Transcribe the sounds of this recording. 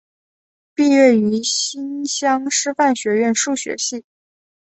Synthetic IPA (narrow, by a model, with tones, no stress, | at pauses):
pi˥˧ɥɛ˥˩y˧˥ɕi˥nɕjɑ˥ŋʂɻ̩˥fa˥˩nɕɥɛ˧˥ɥɛ˥˧nʂu˥˩ɕɥɛ̰˧˥ɕi˥˩